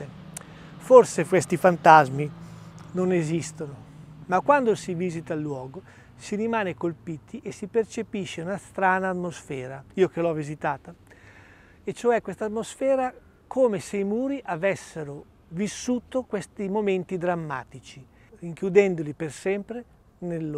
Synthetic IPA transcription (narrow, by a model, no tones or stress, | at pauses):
forsekwest̪ifant̪azminonezist̪onomakwand̪osivizit̪alːwɔːɡo | siɾimaːnekolpiːt̪ʰiʔesipert͡ʃepiʃːeunast̪ɾaːnaːt̪mosfɛːɾaiːokelɔvizit̪aːt̪a | et͡ʃoɛkwest̪at̪mosfɛːɾa | kʰoːmeseimuːɾiʔavɛsːeɾo | visːuːt̪okwest̪imoment̪id̪ɾamːa̰ːt̪it͡ʃi | iŋkjud̪ɛnd̪olipersɛmpɾe | nel